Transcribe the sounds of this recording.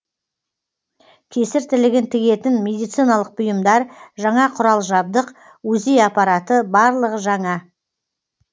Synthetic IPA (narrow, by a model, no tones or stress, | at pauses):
kʲʰe̞sɪɾt̪ʰɪlɪɡʲɪnt̪ʰɪɡʲe̞t̪ɪnmʲe̞d̪ijt̪sijnɑlˠəq̚bʊjəmd̪ɑɾʒɑɴɑqʰʊɾɑlˠʒɑb̚d̪əq | wɵzejɑpɑɾɑt̪əbɑɾlˠəʁəʒɑɴɑ